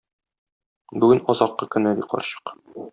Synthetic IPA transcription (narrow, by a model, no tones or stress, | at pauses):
bʉɡɘnɒzɑqːɤkɵ̆nɘb̪iqɒ̰ɾɕɤ̥q